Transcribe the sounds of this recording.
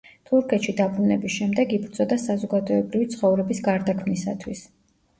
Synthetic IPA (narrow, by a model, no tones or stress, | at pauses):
t̪ʰuɾkʰɛt̪ʃid̪abɾunɛbisʃɛmd̪ɛɡibɾt̪sʼɔd̪asazɔɡad̪ɔɛbɾivit̪sʰχɔvɾɛbisɡaɾd̪akʰmnisa̰t̪ʰwis